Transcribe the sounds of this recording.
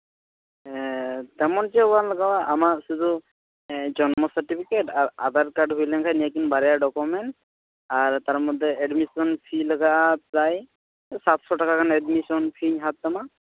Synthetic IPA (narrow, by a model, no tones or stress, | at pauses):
ɛt̪ɛmɔnzɛɔbanləɡawaʔamasud̪u | d͡ʒɔnmɔsaʈipʰikeʈaa̰d̪aɾkaɖɦujlɛŋkʰajniakinbaɾɛjaɖɔkɔmɛnʈ | aɹt̪aɹmɔd̪ʱːɛɛɖmisɔnpʰiləɡazaj | sat̪sɔʈakakʰanɛdmisɔnpʰiɲɦat̪ːama